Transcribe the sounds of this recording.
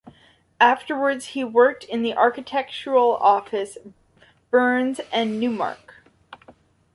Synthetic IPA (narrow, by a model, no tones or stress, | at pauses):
æftə˞wə˞dz̥hiwɜ˞k̚tʰɨ̃nðiʔɑɹkɨtʰɛk̚t͡ʃə˞l̩ˠɔfɨs | b̥ɜ̃˞nzɨ̃nːʉmɑ̰ɹk